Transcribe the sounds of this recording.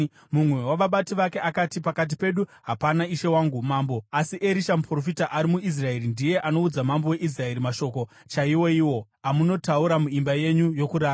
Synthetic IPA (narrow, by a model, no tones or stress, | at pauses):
mumwe̞waʋaɓatiʋake̞ʔakatipakat̬ipe̞ɗuɦapanaiʃe̞waːŋɡumaːmbo̞asiʔe̞ɾiʃamupro̞fitaʔaɾimuis̬rae̞ɾindije̞ʔano̞ud͡zamambo̞we̞ʔis̬rae̞ɾimaʃo̞ːko̞ | t͡ʃaiwo̞iwo̞ | amuno̞tauɾamuimbaje̞ɲujo̞kuɾaː